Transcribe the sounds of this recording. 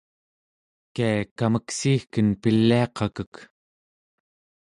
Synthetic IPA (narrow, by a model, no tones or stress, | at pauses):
kaakaməksiːxkənpilːiɑqɑkək